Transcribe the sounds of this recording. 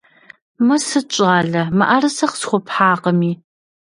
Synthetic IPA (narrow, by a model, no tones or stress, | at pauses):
mɐsɨt͡ʃʼaːɮɐmɐ̰ʔarɨsɐqsxʷɔpħaːqəmiː